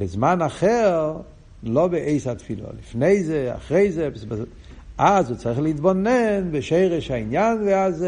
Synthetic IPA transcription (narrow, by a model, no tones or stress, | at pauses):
bɪzmanaχɛɾ | lˠɔbɪʔeɪsatfilˠɔ̰lɪfneɪzea̰χɾeɪzeɛpsb | azot͡saɪχlˠidbɔnɛnbɪʃeɪɾəʃaɪnjanveaze